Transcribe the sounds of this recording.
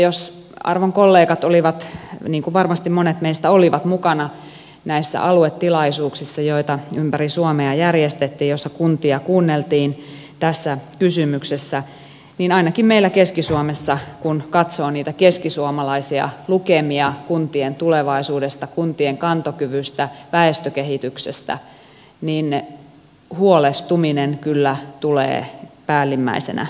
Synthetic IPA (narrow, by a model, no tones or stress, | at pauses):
jos | ɑ̰rʋoŋkolːeːkɑt̪oliʋɑt̪niːŋkuʋɑrmɑst̪immonet̪meist̪æoliʋɑt̪mukɑnɑ | næisːæ̰ʔɑluet̪ːilɑisuːksisːɑjoit̪ɑympærisuomeɑjærjest̪et̪ːiːjosːɑkunt̪iɑkuːnːelt̪iːn | t̪æsːækysymyksesːæ | niːnɑinɑkimmeilːækeskisuomesːɑkunkɑt̪soːniːt̪ækeskisuomɑlɑisiɑ̰lukemiɑkunt̪ient̪uleʋɑisuːdest̪ɑkunt̪ieŋkɑnt̪okyʋyst̪æʋæest̪økehit̪yksest̪æ̰ | niːn | huolest̪uminenkylːæt̪ulḛːpæːlːimːæ̰isḛnæ̰